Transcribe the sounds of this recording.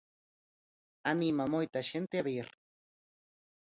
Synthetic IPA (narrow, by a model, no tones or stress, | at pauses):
animamojt̪aʃent̪eaβiɾ